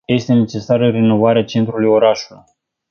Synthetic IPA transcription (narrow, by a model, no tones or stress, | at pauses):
je̞st̪e̞ne̞t͡ʃe̞saɾərino̞vaɾeat͡ʃe̞nt̪ɾulujo̞ɾaʃuluj